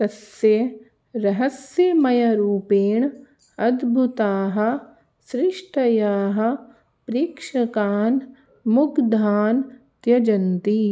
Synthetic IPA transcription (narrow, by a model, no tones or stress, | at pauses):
t̪ɐsje | ɾɐɦɐsjemɐjɐɾuːpeːɳ | ɐd̪bʱut̪aːɦɐ̆ | sɾɪʃʈɐjaːɦɐ̆ | pɾiːkʃɐkaːn | mʊkd̪ʱaːnt̪jɐd͡ʒɐnt̪i